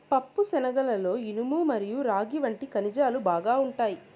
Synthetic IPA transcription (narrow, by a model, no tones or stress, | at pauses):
pɐpːusɛnɐɡɐlɐlo̞ːinumuːmɐɾijuɾaːɡiʋɐɳʈikɐnid͡ʒaːlubaːɡaːuɳʈaːji